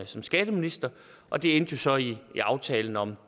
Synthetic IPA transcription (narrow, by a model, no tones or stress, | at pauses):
sɒ̽msɡ̥ɛːd̥əminisd̥ɐ | ʔɒ̽d̥e̝end̥jo̝sɒ̽iːɑ̈ʊt͡sʰɛːln̩ɒ̽m